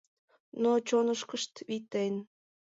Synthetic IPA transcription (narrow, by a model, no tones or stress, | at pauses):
not͡ɕonəʃkəʃt̪βit̪en